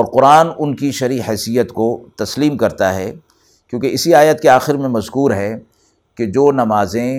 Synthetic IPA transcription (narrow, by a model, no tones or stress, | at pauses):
ɔːɾqʊɾaːnʊnkiʃɐɾiːɦɛːsijət̪kot̪ɐsliːmkɐɾt̪aɦɛ | kjõːkeɪsiaːjət̪keaːxɪɾmẽmɐzkuːɾɦɛ | ked͡ʒoːnɐmaːzẽ